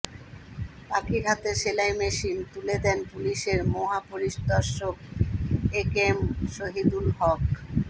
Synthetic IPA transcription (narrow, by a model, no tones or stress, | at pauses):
pakiɾɦat̪eɾʃelajmeʃint̪uled̪ɛnpuliʃeɾmoɦapoɾiʃd̪ɔɾʃok | ekemʃoɦid̪ulɦɔk